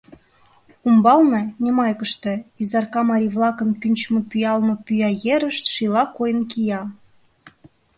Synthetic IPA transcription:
umbɑlnɤnʲemɑjkəʃt̪ĕizɑrkɑmɑɾʲiβlˠɑkə̆nkynʲt͡ɕmɤpyjɑlmɤ̆pyjɑjeɾəʃt̪ʃilɑkojə̆nkijɑ

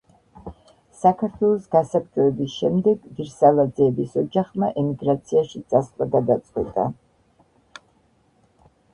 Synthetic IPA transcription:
sakʰaɾt̪ʰwɛlˠɔsɡasap̚d͡ʒʼɔɛbisʃɛmd̪ɛɡviɾsalˠad̪zɛɛbisɔd͡ʒaχmaʔɛmiɡɾat̪sʰiaʃit̪sʼaslˠaɡad̪at̪sʼqʼwɛ̰t̪ʼa̰

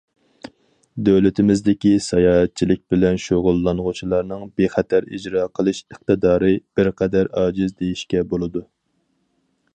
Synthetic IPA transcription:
d̪øwlɪt̪ʰɪmɪzd̪ɪkʲisɛjɑːɦɛt̪̚t͡ʃʰilɪk̚ʲbɪlɛnʃoʁʊlˠːɑnʁʊt͡ʃʰilˠɑɾnɨŋbeχɛt̪ʰæɾḭd͡ʒɾɑːqʰəlˠɨʃəχ̚t̪ɨd̪ɑːɾɨb̥ɪɾqʰɛd̪æɾɑːd͡ʒizd̪ejiʃkʲɛbolˠɨd̪u

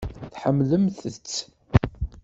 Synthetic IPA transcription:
θħəmːləmθət͡sː

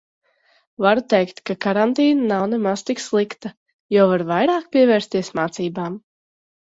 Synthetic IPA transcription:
vaɾut̪ɛjkt̪kakaɾant̪iːnanawnemaz̥t̪ikslˠikt̪a | jɔwvaɾvajɾaːkpʲiɛvɛːɾst̪iɛsmaːt̪siːbaːm

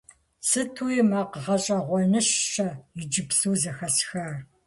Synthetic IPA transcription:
sɨtʰuːjimaːqəʁɐɕʼɐʁʷɔnɨɕːɐjɪd͡ʒɪpsuːzɐxɐsxɐr

